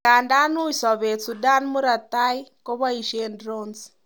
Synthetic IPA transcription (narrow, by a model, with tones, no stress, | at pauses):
a˨nda˦nu˦isa˨βe˨t͡su˨da˦nmu˦ɾa˨ta˦i˦ko˦βa˦i˨ʃendɾɔns